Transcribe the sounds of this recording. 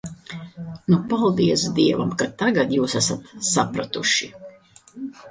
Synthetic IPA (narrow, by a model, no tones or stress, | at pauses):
nupalˠd̪iɛsd̪iɛva̰mkat̪aɡad̪juːsæsat̪sapɾat̪uʃi